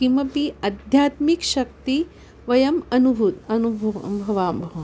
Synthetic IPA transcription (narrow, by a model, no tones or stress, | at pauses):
kimɐpiɐd̪ʱjaːt̪mikʃɐk̚t̪i | ʋɐjɐmɐnubʱut̪ɐnubʱbʱɐʋaːmbʱɐʋɐ